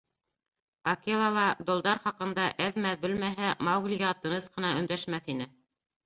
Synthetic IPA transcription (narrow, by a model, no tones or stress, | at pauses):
ɐkelˠɑlˠɑd̪ŏlˠd̪ɑɾχɑqɤ̆nd̪ɑʔæðmæðbɵlmæɦæmɑwɡlʲiɡɑt̪ːɤ̆nɤsqɤ̆nɑɵ̆nd̪æʃmæθinɘ